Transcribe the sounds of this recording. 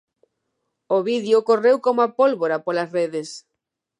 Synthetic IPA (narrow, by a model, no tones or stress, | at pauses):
oβiðjʊkorewkomoapolβoɾapolɐsreðes